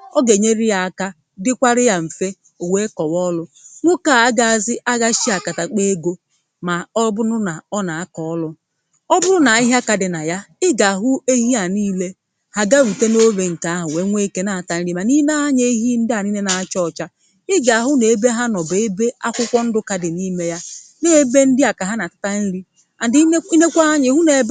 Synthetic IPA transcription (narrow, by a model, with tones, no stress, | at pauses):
ɔ˦ɡe˨ɲe˦ɾi˦a˨a˨ka˦ | dɪ˦kʷa˦ɾɪ˦ja˦m̩˨fe˦ | ʊ˨we˦kɔ˨wɔ˦lʊ˦ | ŋʷʊ˦ka˦˨a˦ɡa˦a˨zɪ˦ʔa˦ɡa˦ʃi˦a˨ka˨ta˨k͡pe˦ɡo˦ | ma˨ɔ˦bʊ˦nʊ˦na˨ɔ˦na˨a˦kɔ˨ɔ˦lʊ˦ | ɔ˦bʊ˦ɾʊ˦na˨ɪ˦ɦa˦ka˨dɪ˨na˨ja˦ɪ˦ɡa˨a˨ɦʊ˦e˦ɦi˦a˨niː˦le˦ | ha˦ɡa˦wi˨te˦no˦βe˨ŋ̩˨ka˨a˦ɦʊ˨we˦ŋʷe˦ke˦na˨a˨ta˨n̩˦ɾi˦ma˨ni˦m˦a˦ɲe˦ɦi˦n̩˦dɪ˦a˨ni˦ne˦na˨a˦t͡ʃɔ˦˨t͡ʃa˦ | ɪ˦ɡa˨a˨ɦʊ˦ne˨e˨be˦ɦa˦nɔ˨be˨e˦be˦a˦kʷʊ˦kʷɔ˦n̩˦dʊ˦ka˨dɪ˨ni˦me˦ja˦ | ne˦be˦n̩˦dɪ˦a˨ka˨ɦa˦na˨tḁ˦ta˦n̩˦ɾi˦˨˦ | i˦ne˦kʷa˦a˦ɲɪ˨ɦʊ˦ne˨b